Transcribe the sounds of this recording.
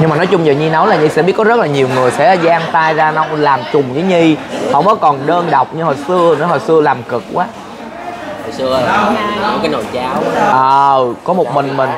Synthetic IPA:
ɲɨ˧ŋmaː˨˩nɔ˨˦jt͡ɕʊ˧ŋ͡mɲə̰˧˨ɲi˧na˨˦wlaː˨˩ɲi˧˩sɛ̰˧˥ɓi˦˥əkɔ˨˦zə˦˥t̚laː˨˩ɲi˨˩wŋɨ˨˩əjsɛ̰˧˥˨zaː˧ŋt̪aː˧jzaː˧na˧wlaː˨˩mt͡ɕʊ˨˩ŋ͡mzi˨˦ɲi˧hɔ̰˧˥wŋ͡mʔɔ˨˦kɔ˨˩nɗəː˧nɗa˨˩wk͡p̚ɲɨ˧ho˨˩jsɨ˧ənɔ˨˦jɦo˨˩jsɨ˧əlaː˨˩mkɨ˨˩k̚kwaː˨˦ | ho˨˩jɨ˧ə˨˦ | kaː˨˦jno˨˩jt͡ɕaː˧wʔəː˨˩kɔ˨˦mo˨˩t̚mï˨˩ŋ̟mï˨˩ŋ

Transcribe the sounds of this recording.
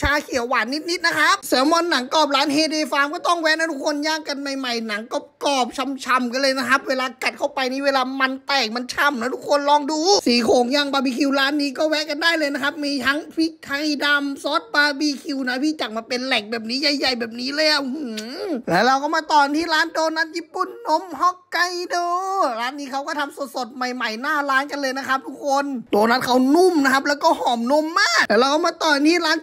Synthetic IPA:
t͡ɕʰaː˧kʰi˨˦əwwaː˨˩˦nːi˦˥t̪̚ni˦˥t̪̚na˦˥kʰa˦˥p̚sɯ˨˩˦mɔ˧nːa˨˩˦ŋkɔː˨˩p̚ɾaː˦˥nɦeː˧deː˧faː˧mkɔː˥˩t̪ɔ˥˩ŋwɛ˦˥na˦˥˩t̪ʰu˦˥kʰo˧njaː˥˩ŋkːa˧nma˧jma˧˩jna˩˦ŋkɔː˥˩kɔː˨˩p̚t͡ɕʰa˧mt͡ɕʰa˧mka˧nlɤː˧jna˦˥kʰa˦˥p̚weː˧laː˧ka˨˩t̪̚kʰa˥˩wpa˧jniː˦˥weː˧laː˧ma˧nt̪ɛː˨˩k̚ma˧nt͡ɕʰa˧˩mna˦˥˩t̪ʰu˦˥kʰo˧nlɔː˧ŋduː˧siː˨˦kʰoː˨˩˦ŋja˧˩ŋbaː˧biː˧˩kʰi˧wlaː˦˥nːiː˦˥kɔː˥˩wɛ˦˥ʔka˧ndaː˥˩jlɤː˧jna˦˥kʰa˦˥p̚miː˧t̪ʰa˦˥ŋpʰi˦˥t̪ʰa˧jda˧msɔː˦˥t̪̚baː˧biː˧˩kʰi˧wna˧˥pʰiː˧˥˩t͡ɕa˨˩k̚maː˧˩pe˧nlɛ˨˩k̚bɛː˨˩p̚niː˦˥ja˧˩jːa˨˩jbɛː˨˩p̚niː˦˥lɤː˧ja˨˩u˧huː˨˩lɛː˦˥˩ɾa˧wkɔː˥˩maː˧t̪ɔː˨˩˧t̪ʰiː˥˩ɾaː˦˥ndoː˧na˦˥t̪̚jiː˦˥pːu˨˩nːo˧˥mhɔ˧˥˩kːa˧˩jdoː˧ɾaː˦˥nːiː˦˥kʰa˦˥wkɔː˥˩t̪ʰa˧mso˨˩t̪̚so˨˩t̪̚ma˨˩jma˨˩jnaː˥˩laː˦˥nka˧nlɤː˧jna˦˥kʰa˦˥p̚t̪ʰu˦˥kʰːo˧ndoː˧na˦˥t̪̚kʰa˦˥wnu˥˩mna˦˥kʰa˦˥p̚lɛː˦˥wkɔː˥˩hɔː˨˩mno˧˥˨mːaː˥˩k̚lɛː˧˩ɾla˧wkɔː˥˩maː˧˩˧t̪ɔː˨˩˨t̪ʰiː˥˩laː˦˥n

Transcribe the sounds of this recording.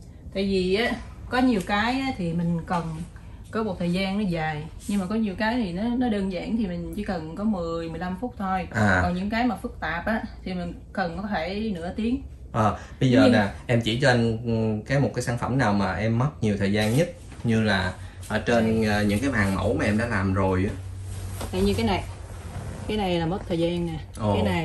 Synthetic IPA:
t̪a̰ː˧˨jvi˨˩ʔaː˨˦kɔ˨˦ɲi˨˩əwkaː˨˦jʔaː˨˦t̪ʰi˨˩mï˨˩ŋ̟kə˨˩n | kɔ˨˦mo˨˩t̪̚ʰəː˨˩jzaː˧nːɔ˨˦zaː˨˩jɲɨ˧ŋmaː˨˩kɔ˨˦ɲi˨˩əwkaː˨˦jt̪ʰi˨˩nɔ˨˦nɔ˨˦ɗəː˧nza̰ː˧˩˨ŋt̪ʰi˨˩mï˨˩ŋ̟t͡ɕḭ˧˦kə˨˩nkɔ˨˦mɨ˨˩əjmɨ˨˩əjla˧mfʊ˦˥k͡p̚t̪ʰo˧jʔaː˨˩kɔ˨˩nɲɨ̰˧˥ŋkaː˨˦jmaː˨˩fɨ˦˥k̚t̪aː˨˩p̚ʔaː˨˦t̪ʰi˨˩mï˨˩ŋ̟ | kə˨˩nkɔ˨˦t̪ʰe˧˩nɨ̰˧˥ət̪i˨˦əŋ | ʔəː˨˩ɓə˧jzəː˧˨˩naː˨˩ʔɛ˧mt͡ɕi˧˩t͡ɕɔ˧ʔa˧jŋ̟kaː˨˦jmo˨˩t̚kaː˨˦saː˧˩nfə̰˧˩mnaː˨˩wmaː˨˩ʔɛ˧mːə˦˥t̚ɲi˨˩ət̪ʰəː˨˩jzaː˧nɲə˦˥t̚ | ɲɨ˧laː˨˩ʔəː˧˩t͡ɕe˧nəː˨˩ɲɨ̰˧˥ŋkaː˨˦jɓaː˨˩ŋmə̰˧˩wmaː˨˩ʔɛ˧mɗa̰ː˧˥˦laː˨˩mzo˨˩jʔa˨˦t̪a˨˧˨jɲɨ˧kaː˨˦jna˨˩j | kaː˨˦jna˨˩jlaː˨˩mə˦˥t̚t̪ʰəː˨˩jzaː˧na˨˩ | ʔo˨kːaː˨˦na˨˩

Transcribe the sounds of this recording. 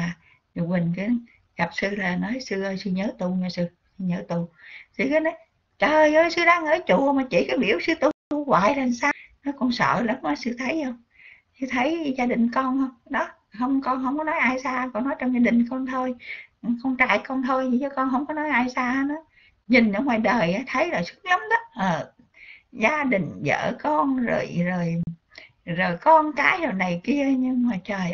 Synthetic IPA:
aː˨˩ | ɲʊ˨˧˩mï˨˩ŋ̟ka˨˦ | ɣa˨˩p̚sɨ˧laː˨˩nɔ˨˦jsɨ˧ʔə˧sɨ˧ɲəː˨˦t̪u˧˩ɲɔ˧˩sɨ˧ | sɨ˧ɲəː˨˦t̪u˧˩sɨ˧kaː˨˦nɔ˨˦j | t͡ɕəː˨˩zəː˨˧˦jsɨ˧ɗaː˧ŋʔəː˧˩t͡ɕu˧˩maː˨˩t͡ɕḭ˧˩kaː˨˦jɓḭ˧˩əwsɨ˧t̪u˧˩t̪u˧ɣwa̰ː˧˨jlaː˨˩nsaː˧wnɔ˨˦kɔ˧nsə̰ː˧˨lə˨˦mnɔ˨˦jsɨ˧t̪ʰə˨˦jhə˧wŋ͡m | sɨ˧t̪ʰə˨˦jzaː˧ɗï˨˩ŋ̟kɔ˧nhə˧˦ɗɔ˨˦ | hə˧wŋ͡mkɔ˧nhə˧wŋ͡mkɔ˨˦nɔ˨˦jʔaː˧jsaː˧kɔ˧nːɔ˨˦jt͡ɕɔ˧wŋ͡mzaː˧ɗï˨˩ŋ̟kɔ˧nt̪ʰo˧jkɔ˧nt͡ɕa̰ː˧˨jkɔ˧nt̪ʰo˧jzi˨˩t͡ɕə˨˦kɔ˧nhɦə˧wŋ͡mkɔ˨˦nɔ˨˦jʔaː˧jsaː˧nɔ˨˦ | ɲï˨˩ŋ̟ʔə˧ŋwaː˨˩jɗəː˨˩jʔaː˨˦t̪ʰə˨˦jzaː˨˩jsɨ˦˥ək̚lə˨˦wŋ͡mɗɔ˨˦ʔəː˨˩ | zaː˧ɗï˨˩ŋ̟zə̰ː˧˨kɔ˧nzo̰˨˩jzo˨˩j | zoː˨˩jkɔ˧nkaː˨˦jzo˨˩jna˨˩jki˧əɲɨ˧ŋmaː˨˩t͡ɕəː˨˩ʔ

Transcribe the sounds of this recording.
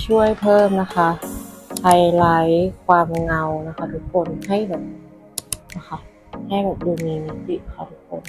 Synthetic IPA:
t͡ɕʰu˥˩əjpʰɤː˥˩mna˦˥xʰa˦˥pʰa˧jla˨˦jkʰwaː˧m˧ŋa˧wna˦˥kʰa˧˥tuː˧˦ko˧nha˥˩jbɛː˨˩p̚ | na˦˥xʰa˦˥ | ha˥˩jbɛː˨˩p̚duː˧miː˧ni˧si˧˩a˧˥kʰa˧˩tʰuː˧˦kʰo˧˦n

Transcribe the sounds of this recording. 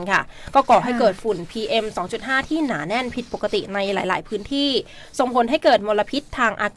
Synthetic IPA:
nkʰa̰˥˩kɔː˥˩kɔː˨˩ɦa˥˩jkɤː˨˩t̪̚fu˨˩npʰiː˧ʔe˧msɔː˩˦ŋt͡ɕu˨˩t̪̚ɦaː˥˩t̪ʰiː˥˩naː˩˦nɛ˥˩npʰi˨˩t̪̚po˨˩kːa˧t̪ḭ˨˩na˧jlaː˩˦jla̰ː˩˦jpʰɯː˦˥nt̪ʰiː˥˩ | so˨˩ŋpʰo˩˦nɦa˥˩jkɤː˨˩t̪̚mo˧la˧pʰi˦˥t̪ʰːaː˧ŋʔaː˧k

